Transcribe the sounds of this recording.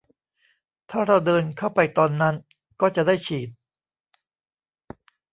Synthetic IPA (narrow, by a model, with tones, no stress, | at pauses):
t̪ʰaː˥˩ɾa˧wdɤː˧nkʰa˥˩wpa˧jt̪ɔː˧nːa˦˥n | kɔː˥˩t͡ɕa˨˩ʔdaː˥˩jt͡ɕʰiː˨˩t̪̚